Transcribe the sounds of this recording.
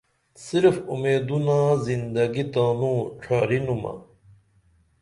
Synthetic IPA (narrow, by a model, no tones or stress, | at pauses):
siɾfumeːd̪unãːzind̪ɐɡit̪aːnũːʈ͡ʂʰaːɾinumɐ̰